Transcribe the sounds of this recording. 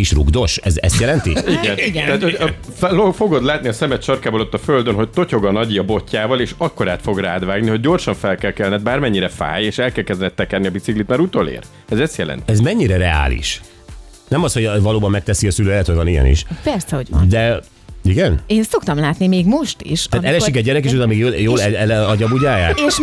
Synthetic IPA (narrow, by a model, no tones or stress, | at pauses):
iʃruɡd̪o̞ʃɛzɛ̰st̪jɛlɛnt̪iiɡnt̪aːt̪hoofo̞ɡod̪laːt̪niɒsɛmɛt̪ʃɒrkaːbolot̪ːɒføld̪ønɦo̞c̚t̪o̞co̞ɡɒnɒɟiɒbo̞cːaːvɒleːʃɒkːo̞ɾaːt̪fo̞ɡraːd̪vaːɡniho̞ɟ̚ːo̞rʃɒɱfɛlkɛlkɛlnɛd̪̚baːrmɛɲːiɾɛfa̰ːjeːʃɛlkɛlkɛzd̪ɛnɛt̪ːɛkɛrniɒbit̪siklit̪mɛɾut̪olḛːɾ | ɛzɛst̪jɛlɛ̰nt̪iɛzmɛɲːiɾɛɾɛa̰ːlḭʃ | nɛmɒst̪ho̞ɟvɒloːbɒmːɛkt̪ɛsiɒsyløːɛt̪hoɟvɒnijɛ̰nḭʃpɛrsɛhoɟd̪ɛ | iɡɛneːnso̞kt̪ɒmlaːt̪nimeːɡmo̞ʃt̪ḭʃaːɛlɛʃikɛɟːɛɾɛkeːʃ̬uzlmiɡjoljoːlɛɛɒɟɒbuɟaːja̰ːkːʃ